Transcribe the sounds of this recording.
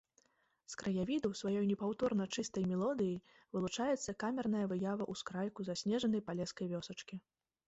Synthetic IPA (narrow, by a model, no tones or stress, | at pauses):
skɾɐjavʲid̪ɐwsvajɔjnʲɛpawt̪ɔrnɐt͡ʂɨst̪ɐjmʲɛlˠɔd̪ɨji | vɨlˠut͡ʂajɛt̪sːɐkamʲɛrnɐjɐvɨjavɐʔuskɾajkuzasʲnʲɛʐɐnɐjpalʲɛskɐjvʲɔsɐt͡ʂkʲi